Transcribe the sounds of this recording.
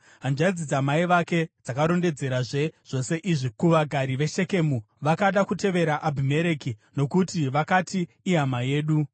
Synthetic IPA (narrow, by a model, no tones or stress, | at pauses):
ɦand͡ʒaid͡zid͡zamaiʋake̞d͡zakaɾo̞nde̞d͡ze̞ɾaʐe̞ʐ̥o̞se̞ʔiʐikuʋaɡʱaɾiʋe̞ʃe̞ke̞ːmu | ʋakaɗakute̞ʋe̞ɾaʔabʱime̞ɾe̞kino̞kutiʋakatiː | ɦamaje̞ːɗu